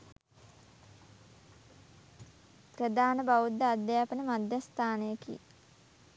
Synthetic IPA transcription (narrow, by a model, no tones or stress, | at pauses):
prɾəd̪aːnəbaʋud̪ːəad̪jaːpənəmad̪jast̪ʰaːnəjəkḭ